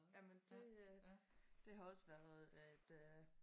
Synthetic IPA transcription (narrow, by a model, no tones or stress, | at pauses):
jæmənd̥e̝ | d̥e̝ɦɑ̈ɒ̽səʋæɐð̩ˠæd̥ø